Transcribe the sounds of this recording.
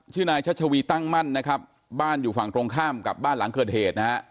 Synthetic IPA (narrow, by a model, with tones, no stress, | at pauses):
t͡ɕʰɯː˥˩naː˧jt͡ɕʰa˦˥t̚t͡ɕʰa˧wiː˧t̪a˥˩ŋma˥˩nːa˦˥kʰɾa˦˥p̚ | baː˥˩njuː˨˩fa˨˩ŋt̪ɾoː˧ŋkʰaː˥˩mka˨˩p̚baː˥˩nla˨˩˦ŋkɤː˨˩t̪̚heː˨˩t̪̚na˦˥ha˦˥